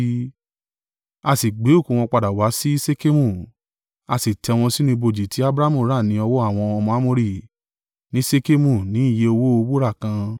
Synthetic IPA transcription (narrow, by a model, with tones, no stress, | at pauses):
a˧si˨ɡ͡be˨˦o˦˨kũ˨w̃ɔ̃˧k͡pa˧da˨wa˨˦si˦i˦se˦ke˦mũ˦˨ | a˧si˨tʰɛ˨˧w̃ɔ̃˧si˦nũ˧i˧bo˧d͡ʒi˨ti˨˦a˦bɾa˦mũ˦˨˦ɾa˦˨nĩ˨˦ɔ˧wo˦a˦˨w̃ɔ̃˧ɔ˧mɔ̃˧a˦mo˧ɾi˦˨ | nĩ˦se˦ke˦mũ˦˨nĩ˨˦i˦˨je˨˦o˧wo˦o˧bu˦ɾa˦˨kã˧